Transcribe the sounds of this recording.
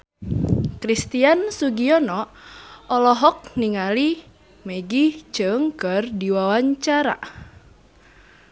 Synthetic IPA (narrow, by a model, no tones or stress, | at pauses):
kɾist̪iansuɡiɔnɔʔɔlɔɦɔk̚niŋali | meɡit͡ʃɨŋkərdiwawaɲt͡ʃaɾa̰